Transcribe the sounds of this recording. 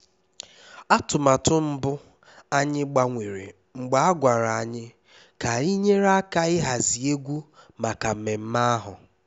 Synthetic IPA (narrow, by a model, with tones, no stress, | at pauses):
a˦tʊ˨ma˨tʊ˦m̩˦bʊ˦ | a˦ɲɪ˦ɡ͡ba˨ŋʷe˨ɾḛ˨ | ŋ͡m̩˨ɡ͡ba˦a˦ɡʷa˨ɾa˨a˨ɲɪ˦ | ka˨i˦ɲe˦ɾa˦ka˦ɪ˦ɦa˨zi˨e˦ɡʷu˦ma˨ka˨m̩˨me˨m̩˦ma˦a˦ɦʊ˨